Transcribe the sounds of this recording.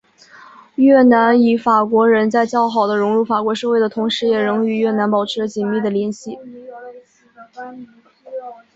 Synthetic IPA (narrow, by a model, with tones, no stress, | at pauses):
ɥɛ˥˩na˧˥ny˧˩fa˨˩kwɔ˧˥ɻə˧˥nt͡sa˥˧ɪt͡ɕjɑ˥ʊxɑ˨˩ʊd̪ə˦ɻʊ˧˥ŋɻu˥˩fa˨˩kwɔ˧˥ʂɤ˥˧xwe˥˩ɪd̪ə˩t̪ʰʊ˧˥ŋʂɻ̩˧˥jɛ˨˩ɻʊ˧˥ŋy˨˩ɥɛ˥˩na˧˥npɑ˨˩ʊʈ͡ʂʰɻ̩˧˥lə˧t͡ɕi˨˩nmi˥˩d̪ə˩ljɛ˧˥nɕi˥˩